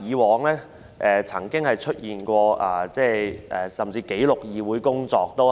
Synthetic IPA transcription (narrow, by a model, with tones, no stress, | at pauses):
iː˨˧wɔː˨˧ŋlɛː˥ | ʔɛː˨t͡sʰɐ̰˨˩ŋkɪ˥ŋhɐ˨jt͡ʃʰɵ˥t̚jiː˨nkʷɔː˧ʔaː˨˩t͡sɛː˥˩ʔɛː˨˩sɐ˨mt͡siː˧ke˨˥jlʊ˨k̚jiː˨wuː˨˥jkʊ˥ŋt͡sɔː˧k̚t̪o˥w